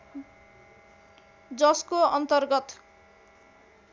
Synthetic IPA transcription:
d͡zʌskoʌnt̪ʌrɡʌt̪

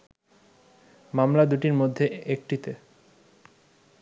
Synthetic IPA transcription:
mamlad̪uʈiɾmod̪ʱːeek̚ʈit̪e

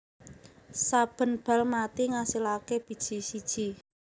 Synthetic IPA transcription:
sab̥ə̤nb̥a̤lmat̪iŋasilakeb̥i̤d̥ʒ̥i̤sid̥ʒ̥i̤

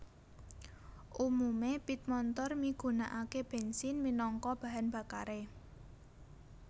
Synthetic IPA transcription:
ʔumumepit̪̚mɔnt̪ɔrmiɡ̥ṳnaʔakeb̥e̤nsinminɔŋkɔb̥a̤ɦanb̥a̤ka̰ɾe

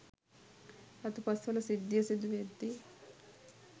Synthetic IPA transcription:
ɐt̪upɐst̪ʋɐlɐsid̪jɐsid̪uʋed̪ːi

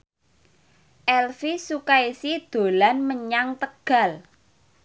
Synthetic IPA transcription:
ʔɛlfisukaisid̪̥o̤lanməɲaŋt̪əɡ̥a̤l

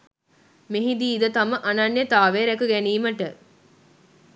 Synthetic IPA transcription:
meɦid̪iːd̪ət̪aməʔanɐnjet̪aːʋeɾɛkuɡæniːməʈə

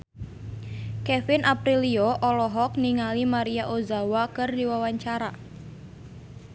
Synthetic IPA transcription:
kɛfɪnʔapɾilioʔɔlɔɦɔk̚niŋalimaɾiaʔozawakɨrdiwawaɲt͡ʃaɾa

